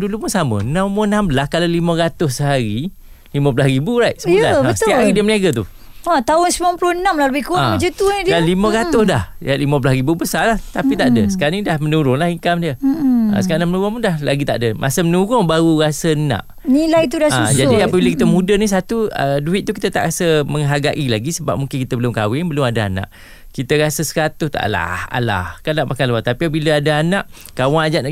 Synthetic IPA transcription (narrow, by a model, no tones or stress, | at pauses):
dulupunsamə̰nãmunãmbəlaskalalimə̃ɾat̪ʊssəɦaɾi | limə̃pəlasɾibuɾajʔsəəlabəsət̪iaaɾidiəməniaɡat̪̬ṵ | at̪aʊnsəbaplʊənamlahləbɪhkuaəd͡ʒut̪unidialiməɾat̪ʊsdahaʔlimə̃p̬lasɾibubəsalaht̪apit̪aʔdəsəkaɾanidahmənuɾʊŋlahiŋkamdiəə̰səkaɾanaŋmənuɾʊŋpundahlaɡit̪aʔdəmʔa̰səmənuɾʊŋbaɾuɾasənã̰ʔ | nilajt̪udaad͡ʒadiapəbiləkit̪əmudənis̬at̪uəduɪt̪̚t̪uki̥t̪ət̪aʔɾasəməŋɦaɡaʔilaɡisəba̰p̚muŋkɪnkit̪əbəlʊmkawɪŋbəlʊmadaa̰nã̰ʔ | kit̪əɾasəsəɾat̪ʊst̪a̰ʔla̰ha̰la̰hkanaʔmakaləwat̪apiapəbiləadaanaʔ | kawaŋad͡ʒaʔ̪a